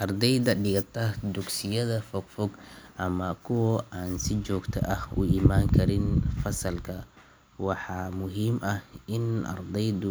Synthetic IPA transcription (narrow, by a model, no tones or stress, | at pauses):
ʔɐrd̪ɛjd̪ɐɖɪɣɐt̪ʰɐd̪ʊɡsɪjɐðɐfɔɡfɔɡʔɐmɐkʰʊwɔaːnsɪt͡ʃɔːɡt̪ʰɐ̰ʔɐhʊ̰ɪmaːŋkʰɐɾɪnfɐsɐlkʰɐ | wɑħɑːmʊɦiːmʔɐhɪnʔɐ̰rd̪ɛjd̪ʊ